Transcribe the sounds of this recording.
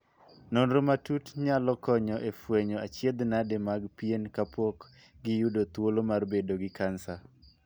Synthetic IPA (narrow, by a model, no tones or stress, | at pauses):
nonɾomatutɲalɔkɔɲɔʔefweɲɔat͡ʃjed̪nademaɡpijenkapok | ɡɪjudot̪wolomarbedoɡɪkansa